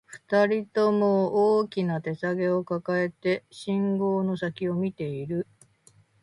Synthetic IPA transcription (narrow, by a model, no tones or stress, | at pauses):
ɸɯ̟̥t̪aɾʲit̪o̞mooːkʲinat̪e̞saɡe̞o̞kakae̞t̪e̞ɕĩŋɡo̞ːno̞sakʲio̞mʲit̪e̞iɾɯ̟